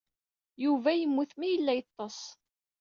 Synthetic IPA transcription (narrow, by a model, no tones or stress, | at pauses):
juvæjəmːuθmijəlːæjət̪ˤːɑsˤ